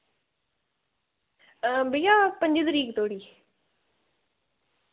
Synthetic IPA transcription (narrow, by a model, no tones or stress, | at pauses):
bəijaːpə̃ɲd͡ʒəd̪əɾiːkt̪oːɽiː